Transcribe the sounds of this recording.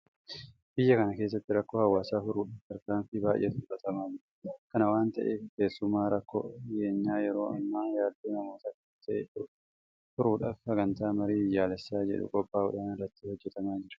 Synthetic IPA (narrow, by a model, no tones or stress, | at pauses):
b̥ɪjːɐkɐnɐke̞ːs̬ːɐt̪ːɪɾɐkːoːhɐwːaːsaːfʊɾuːᶑɐft̪ɐɾkaːnfibaːʔj̰ʔɛ̰t̪ʊʊbɐt̪ɐmaːd͡ʒɪᶑɐ̥kɐnɐwaːnt̪ɐʔeːke̞ːsːʊmaːɾɐkːo̰ɪjeːɲːaːjɛɾo̞ːɐ̰mːaːjaːd̪ːoːnɐmo̞ːt̪ɐkːɪt̪ʰɐʔḛːt̪ʊɾʊ | fʊɾuːᶑɐfsɐɡɐnt̪aːmɐɾiːɪjːaːlɛsːaːd͡ʒɛ̰ᶑʊ̰kʼɔbːaːʊ̰ᶑaːnɪrːɐt̪ːihɔd͡ʒːɛt̪ɐmaːd͡ʒɪɾɐ̥